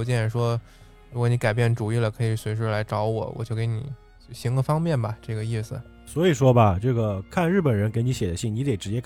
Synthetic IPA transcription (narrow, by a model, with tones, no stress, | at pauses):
t͡ɕɛ˥˩ɛ˨˩ʂwɔ˥ | ɻu˧˥kwɔ˧˩˦ni˧˥ka˨˩ɪp̬jɛ˥˩nʈ͡ʂu˨˩i˥˩lə˩kʰɤ˧˥i˨˩swe˧˥ʂ̬ɻ̩˥˩la˧˥ɪʈ͡ʂɑ˧˥ʊwɔ̰˨˩˦wɔ̰˨˩t͡ɕjo˥˩ʊke˧˥ɪnḭ˨˩˦ | ɕi˧˥ŋlə˧fɑ˥ŋmjɛ˥˩nbɐ˨˩ʈ͡ʂɤ˥˩ɡə˩i˥˩sɹ̩˩ | swɔ˧˥i˨˩ʂwɔ˥bɐ˨ʈ͡ʂɤ˥˩ɡə˩kʰa˥˧nɻ̩˥˩pə˨˩nɻə˧˥nke˧˥ɪni˧˥ɕjɛ˨˩d̪ə˦ɕi˥˩ŋni˧˥t̪e˨˩ʈ͡ʂɻ̩˧˥t͡ɕjɛ˥k